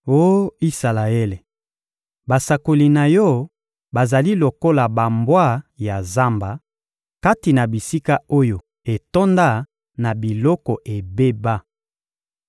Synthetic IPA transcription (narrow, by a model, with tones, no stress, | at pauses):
o˦i˦sa˨la˨e˦le˨ | ba˨sa˨ko˨li˨na˨jɔ˦ | ba˨za˨li˦lo˨ko˦la˨ba˨mbwa˦˨ja˨za˦mba˨ | ka˦ti˨na˨bi˨si˦ka˦o˦jo˨ | e˨to˦nda˦ | na˨bi˨lɔ˦kɔ˨ʔe˨be˦ba˦